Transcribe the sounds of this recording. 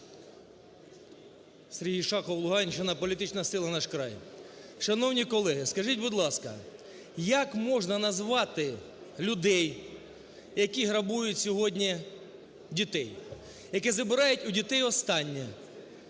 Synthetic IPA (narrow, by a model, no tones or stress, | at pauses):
seɾʲɦijʃɑxɔwlˠʊɦɑnʲt͡ʃɪnɐpɔlʲit̪ɪt͡ʃnɐsɪlˠɐnɑʃkɾɑ̰jʃɐnɔwnʲikɔlˠɛɦɪskɐʒitʲbʊd̪lˠɑskɐ̰ | jɐkmɔʒnɐnɐzʋɑt̪ɪ | lʲʊd̪ɛj | jɐkʲiɦɾɐbujʊtʲsʲɔɦɔdʲnʲi | dʲit̪ɛj | jɐkɛzɐbɪɾɑjʊtʲʊdʲit̪ɛjɔst̪ɑnʲːɛ